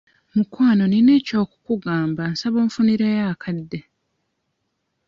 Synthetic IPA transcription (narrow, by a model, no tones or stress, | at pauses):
mukwaːno̞nine̞ːco̞ːku̥kuɡaːmbansaβoːɱfuniɾeːjaːkʰadːe̞